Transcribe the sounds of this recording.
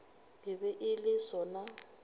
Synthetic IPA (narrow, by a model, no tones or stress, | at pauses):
ɦɪbɛʔɪlɪsɔna